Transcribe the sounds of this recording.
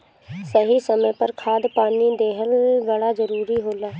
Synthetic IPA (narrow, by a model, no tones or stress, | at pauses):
səɦisəməpəɾkʰaːd̪paːnid̪eːɦəlbəɽaːzəɾuːɾiɦoːlaː